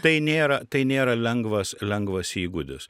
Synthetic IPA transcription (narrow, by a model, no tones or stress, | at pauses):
t̪ɐɪnʲeːɾɐt̪ɐɪnʲeːɾɐlʲɛŋɡʋɐslʲɛŋɡʋɐsiːɡud̪ʲʊs